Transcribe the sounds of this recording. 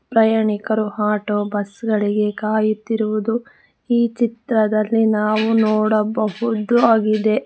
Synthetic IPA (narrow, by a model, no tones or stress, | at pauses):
pɾɐjaːɳikɐɾuɦaːʈoːbɐsɡɐɭiɡe̞kaːjut̪ːiɾuʋud̪u | iːt͡ʃit̪ɾɐd̪ɐlːinaːʋunɔːɽɐbɐɦud̪uaːɡid̪e̞